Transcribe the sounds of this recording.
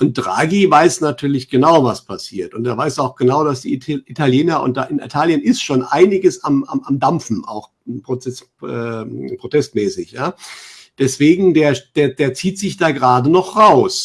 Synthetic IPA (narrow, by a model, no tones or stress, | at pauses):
ʔʊnt̚d̥ʁa̰ːɡivaɪsnatʰyːɐlɪçɡ̥ənaʊvaspʰasiːɐtʊnteːɐvaɪsaʊxɡ̥ənaʊdasd̥iːʔitʰaljeːnɐʔʊ̰nt̚d̥a̰ːʔɪnḭtʰaːljənɪstʃoːnʔa̰ɪnɪɡəsama̰mamdamfn̩ʔa̰ʊx | pʁ̥oɛs | ʔɛ̰pʁ̥otʰɛstmɛːsɪçjaː | d̥ɛsv̥eːɡŋ̩deːɐd̥eːɐdeːɐt͡siːtz̥ɪçd̥aːɡəʁaːdənɔχʁaʊs